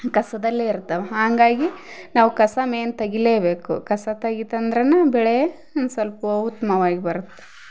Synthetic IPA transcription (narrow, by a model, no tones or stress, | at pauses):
kɐsɐd̪ɐlːeiɾt̪ːɐʋeɦaːŋɡaːɡinaːʋukɐsɐmeːnt̪ɐɡileːbe̞ːkṵkɐsɐt̪ɐɡit̪ɐnd̪ɾɐnːɐbɛɭej | sɐlpɐɐut̪ːɐmɐʋaːɡibɐɾut̪ːe̥